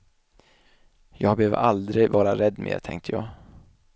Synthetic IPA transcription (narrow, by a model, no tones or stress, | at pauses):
jɑːɡbɛhøːvə̰ɾʔald̪ɾɪɡvɑːɾaɾɛd̪ːmʔḛːt̪ʰɛŋkt̪əjɑːɡ